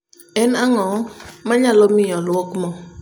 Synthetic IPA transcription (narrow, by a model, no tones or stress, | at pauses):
ɛnaŋɔmaɲalɔmɪjɔlɔkmɔ